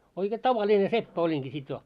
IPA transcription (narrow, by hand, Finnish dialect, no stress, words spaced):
oike tɑʋɑlʲine sepːæ olʲiŋki sit jo